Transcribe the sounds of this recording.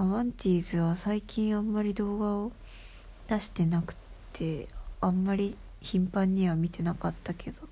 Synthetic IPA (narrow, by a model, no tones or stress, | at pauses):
aβãnt̪ʲiːzɨβasaikʲĩɰ̃ãmːaɾʲid̪o̞ːɡao | d̪̥aɕi̥t̪e̞nakɯ̟̥tt̪ʰːe̞ãmːaɾʲi | çĩmpãɲ̟ːiβamʲit̪e̞nakat̪ːakʰe̞d̪̥o̞